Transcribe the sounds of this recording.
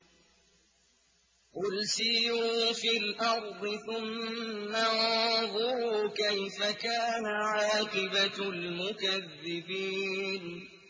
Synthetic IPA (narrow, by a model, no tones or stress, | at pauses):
qʊlsɪjuːfiːlʔɑɾˤd̪ˤɨθʊmːaðˤʊɾuːkajfakaːnaʕɑːqɨbalmʊkaðːɪbiːn